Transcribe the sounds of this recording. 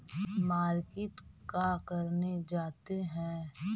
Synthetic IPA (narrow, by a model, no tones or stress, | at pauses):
maːɾkɪʈkakɐɾned͡ʒaːt̪eɦɛ̃ː